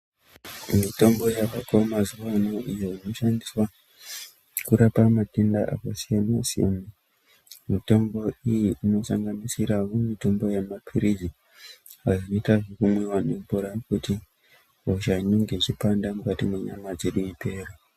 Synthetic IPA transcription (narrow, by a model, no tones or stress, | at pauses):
mito̞mbo̞jaʋakomazuʋano̞ʔijo̞ino̞ʃandiswa | kuɾapamatendaʔa̰kasijamasio̰m | mito̞mbo̞ijiʔino̞saŋɡanisiɾawomito̞mbo̞jamapʰiɾizi | aʐino̞itaʐekumwiwanempoɾakuti | oʃaino̞ŋɡe̞t͡ʃipandamukatimwe̞ɲamad͡ze̞ɗuipe̞ːra